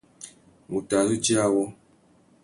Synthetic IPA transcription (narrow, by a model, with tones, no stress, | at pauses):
mu˨ta˨zɨ˦d͡ʒi˦a˦wɔ˦